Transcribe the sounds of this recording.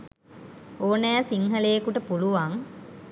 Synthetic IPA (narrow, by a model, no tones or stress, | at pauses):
oːnæːsiŋhəlejekuʈəpuluʋaŋ